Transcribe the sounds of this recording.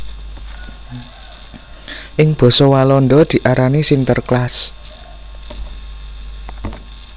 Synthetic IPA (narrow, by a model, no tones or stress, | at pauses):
ʔɪŋb̥ɔ̤sɔwalɔnɖ̪ɔd̪̥i̤ʔaɾanisint̪ərklas